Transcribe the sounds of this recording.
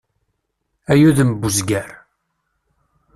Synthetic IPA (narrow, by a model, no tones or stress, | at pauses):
æjuðəməbːuzɡæɾ